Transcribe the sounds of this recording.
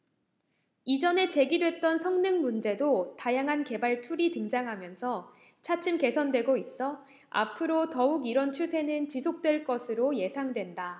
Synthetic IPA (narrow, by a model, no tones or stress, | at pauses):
id͡ʑʌne̞t͡ɕe̞ɡidwe̞t̚t͈ʌnsʰʌŋnɯŋmund͡ʑe̞dotajaŋɦanke̞baɭtʰuɾitɯŋd͡ʑaŋɦamjʌnsʰʌ | t͡ɕʰat͡ɕʰɯmke̞sʰʌndwe̞ɡois͈ʌ | a̰pʰɯɾotʌuɡiɾʌnt͡ɕʰusʰe̞nɯnt͡ɕisʰok̚t͈we̞ɭk͈ʌsʰɯɾoje̞sʰaŋdwe̞nda